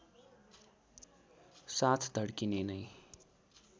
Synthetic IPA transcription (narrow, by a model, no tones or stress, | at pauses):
sat̪ʰd̪ʱʌɽkinenʌj